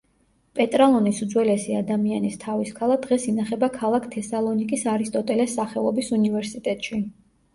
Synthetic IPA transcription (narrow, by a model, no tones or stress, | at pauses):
pʼɛt̪ʼɾalˠɔnisud̪zwɛlɛsiad̪amianist̪ʰaviskʰalˠad̪̥ʁɛsinaχɛbakʰalˠakʰt̪ʰɛsalˠɔnikʼisaɾist̪ʼɔt̪ʼɛlɛsːaχɛlˠɔbisunivɛɾsit̪ʼɛt̪ʼʃi